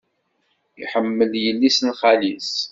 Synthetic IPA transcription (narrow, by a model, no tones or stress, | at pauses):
ḭħəmːəljəlːisnχælis